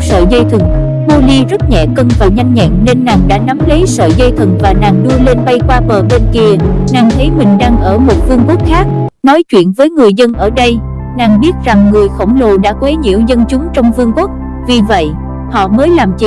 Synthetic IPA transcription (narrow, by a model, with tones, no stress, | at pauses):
sə̰ː˧˨zə˧jt̪ʰɨ˨˩ŋ̚ | ɓo˧li˧zə˦˥t̚ɲɛ̰˧˨kə˧nfaː˨˩jɲa˧jŋɲɛ̰˧˨nne˧nːaː˨˩ŋɗa̰ː˧˥na˨˦mli˨˦sə̰ː˧˨zə˧jt̪ʰɨ˨˩ŋvaː˨˩naː˨˩ŋɗɨ˧əle˧nɓa˧jkwaː˧ɓəː˨˩ɓe˧nki˧ənaː˨˩ŋt̪ʰə˨˦jmï˨˩ŋ̟ɗaː˧ŋʔəː˧˩mo˨˩t̚vɨ˧əŋkwu˦˥k̚xaː˦˥k̚nɔ˨˦jt͡ɕwḭ˧˨ənvəː˨˦jŋɨ˨˩əjzə˧nʔəː˧˩ɗə˧j | naː˨˩ŋɓi˦˥ət̚za˨˩ŋːɨ˨˩əjxə̰˧˩wŋ͡mlo˨˩ɗa̰ː˧˥kwe˨˦ɲḭ˧˥əwzə˧nt͡ɕʊ˨˦ŋ͡mt͡ɕɔ˧wŋ͡mvɨ˧əŋkwu˦˥k̚ | vi˨˩və̰˧˨j | hɔ̰˧˨məː˨˦jlaː˨˩mt͡ɕḭ˧˨